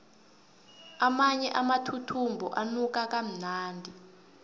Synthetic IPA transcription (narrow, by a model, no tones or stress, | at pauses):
amaɲɛʔamatʰutʰumbʱɔʔanuk̬ak̬am̩naːndʱi